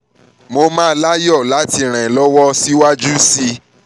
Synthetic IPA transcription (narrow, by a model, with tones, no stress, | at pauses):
mo˧mãː˦˧˦la˦jɔ˦˨la˨˦ti˧ɾ̃ɛ̃˨lɔ˦wɔ˦si˦wa˦d͡ʒu˦si˧